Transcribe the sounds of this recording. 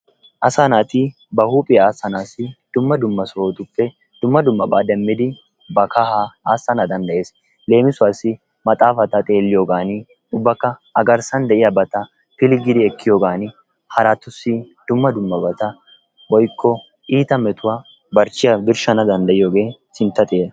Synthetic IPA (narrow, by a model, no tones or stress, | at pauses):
ʔɐsanaːt̪ɪ | bɐhuːpʼɪjaaːsɐnaːsɪd̪̥ʊmːɐd̪ʊmːɐsoːt̪ʊpːɛ | d̪̥ʊmːɐd̪ʊmːɐbaːd̪ɛmːɪd̪ɪ | bɐkɐhaaːsːɐnad̪ɐnd̪ɐʔe̞ːs | le̞ːmɪsʊwaːsːɪ | mɐt̪ʼaːfɐt̪ɐt̪ʼe̞ːlːɪjoːɡaːnɪ | ʊbːɐkːɐɐɡɐɾsɐnd̪ɛʔɪjɐbɐt̪ɐ | pɪlɪɡɪd̪ɪɛkːɪjo̞ːɡaːnɪ | hɐɾaːt̪ːʊsːɪ | d̪̥ʊmːɐd̪ʊmːɐbɐt̪ɐ | wɔjkːɔ | iːt̪ɐmɛt̪ʊwaː | bɐɾt͡ʃːɪjɐbɪɾʃɐnɐd̪ɐnd̪ɐjɪjo̞ːɡe̞ːsɪnt̪ːɐt̪ʼjeːɐ